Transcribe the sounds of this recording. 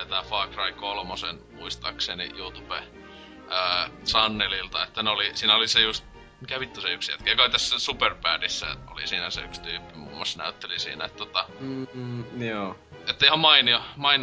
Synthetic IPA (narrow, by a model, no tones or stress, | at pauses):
et̪æːfɑːkrɑikolmosenmuist̪ɑ̰ksenḭjuːt̪upe | əːsɑnːelilt̪ɑet̪ːæneolisiːnæolisejust̪ | mikæʋit̪ːuseyksjæ̰t̪kæjɑkɑˑit̪æsːæsuperpæːrisːæ̰ḛo̰lḭsiːnæsḛykst̪yːpːimṵːmːˑɑsnæ̰yt̪ːelisḭːnæ̰ḛt̪ːt̪ot̪ɑ | joː | et̪ːeihɑmmɑiniomɑin